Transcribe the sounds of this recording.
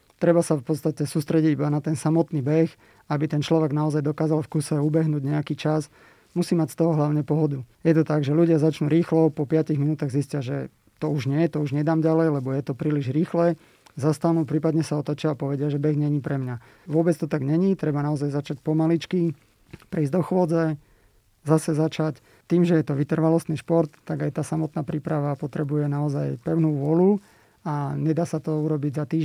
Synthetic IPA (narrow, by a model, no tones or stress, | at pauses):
t̪ɾɛbasafpɔt̪st̪acɛsuːst̪ɾɛɟiɟibanat̪ɛnsamɔt̪niːbɛx | abit̪ɛnt͡ʃlɔʋɛɡnaɔzajd̪ɔkaːzalfkusɛubɛɦnuːɟɲɛakiːt͡ʃas | musiːmacst̪ɔɦɔɦlaʊɲɛpɔɦɔd̪ujɛt̪ɔt̪aɡʒɛluɟɪazat͡ʃnuːɾiːxlɔpɔpɪaciɣminuːt̪aːɣziscɪaʒɛ | t̪ɔuʒɲɪɛjɛt̪ɔuʒɲɛd̪aːmɟalɛjlɛbɔjɛt̪ɔpɾiːliʒɾiːxlɛ | zast̪anupɾiːpad̪ɲɛsaɔt̪at͡ʃɪaːpɔʋɛɟɪaʒɛbɛɣɲɛɲipɾɛmɲa | ʋʊɔbɛt͡st̪ɔt̪aɡɲɛɲit̪ɾɛbanaɔzajzat͡ʃacpɔmalit͡ʃki | pɾɛiːzd̪ɔxʋɔd͡zɛ | zasɛzat͡ʃac | t̪iːmʒɛjɛt̪ɔʋit̪r̩ʋalɔst̪niːʃpɔɾt̪ːaɡajt̪aːsamɔt̪naːpɾiːpɾaʋapɔt̪ɾɛbujɛnaɔzajpɛʊnuːʋɔlu | aɲɛd̪aːsat̪ɔuɾɔbiɟzat̪iː